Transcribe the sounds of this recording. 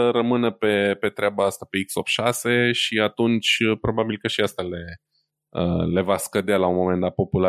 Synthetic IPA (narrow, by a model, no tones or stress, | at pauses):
əɾəmɨnəpe̞pe̞t̪ɾeabaast̪ape̞iksop̪ʃase̞ʃiat̪unt͡ʃʲəpɾo̞babilkəʃiast̪ale̞ | ə̰le̞vaskəd̪ealaunmo̞me̞nd̪at̪̚po̞pula